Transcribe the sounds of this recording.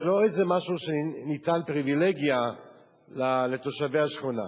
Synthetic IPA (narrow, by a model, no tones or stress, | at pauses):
lo̞ejzemaʃuʃenit̪anpʁivileɡja | lalet̪o̞ʃavehaʃχona̰